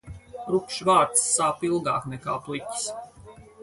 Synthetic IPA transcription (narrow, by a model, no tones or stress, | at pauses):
ɾukʃvaːɾt̪sːaːpilˠɡa̰ːknɛka̰ːplˠicʲi̥s